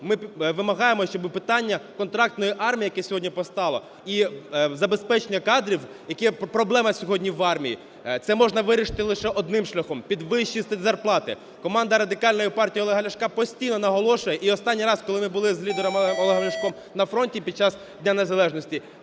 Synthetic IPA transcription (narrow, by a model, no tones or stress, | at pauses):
mɪʋɪmɐɦɑjemɔʃt͡ʃɔbɪpɪt̪ɑnʲːɐkɔnt̪ɾɑk̚t̪nɔjiʔɑrmʲijɐkɛsʲɔɦɔdʲnʲipɔst̪ɑlˠɔ̰ | izɐbespɛt͡ʃenʲːɐkɑd̪ɾʲiw | jɐkɛpɾɔblˠɛmɐsʲɔɦɔdʲnʲiʋɑrmʲijḭ | t̪sɛmɔʒnɐʋɪɾʲɪʃɪ̥t̪ɪlˠɪʃɛʔɔd̪nɪmʃlʲɐxɔmpʲid̪ʋɪʃt͡ʃːist̪zɐrplˠɑt̪ɪ̰ | kɔmɑnd̪ɐɾɐd̪ɪkɑlʲnɔjipɑrtʲijiɔlˠeɦɐlʲɐʃkɑpɔsʲtʲijnɔnɐɦɔlˠɔʃʊjɛʔiɔst̪ɑnʲːijɾɑskɔlˠɪmɪbʊlˠɪzlʲid̪eɾɔmmɔlˠeɦɐlʲɐʃkɔm | nɐfɾɔnʲtʲipʲid̪̚t͡ʃɑs | dʲnʲane̞zɐlˠɛʒnɔsʲtʲi